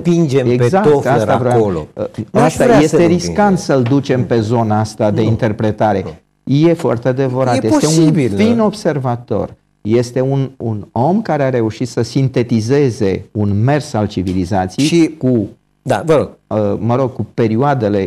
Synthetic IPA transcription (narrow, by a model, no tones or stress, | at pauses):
pind͡ʒemeɡzak̪otfasɾavɾojolo̰asaɾje̞st̪eɾiskant̪səld̪ut͡ʃe̞mpe̞zo̞naast̪ad̪e̞int̪e̞rpɾe̞t̪aɾe̞ | je̞foa̰rt̪ead̪e̞vəɾat̪jeot̪eunbifino̞bse̞rvat̪o̞̰r | je̞st̪e̞ununo̞mkaɾeaɾe̞uʃit̪səsint̪e̞t̪ize̞ze̞unme̞rsalt͡ʃivilizat̪sijejʃiku | d̪a̰vəɾoɡ̥̚əməɾo̞ɡ̚kupe̞ɾioad̪e̞le̞